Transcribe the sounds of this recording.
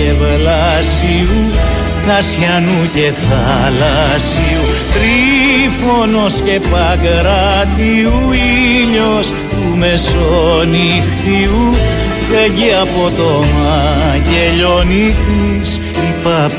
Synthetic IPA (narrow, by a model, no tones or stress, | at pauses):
evlɐsiu | nɐsçɐnuceθɐ | lɐ | siu | t̪ɾifono̞sce̞pɐɡɾɐt̪iuiʎos | tume̞soni | xt̪iu | feʝiɐpo̞t̪omɐʝeʎonit̪is | ipɐ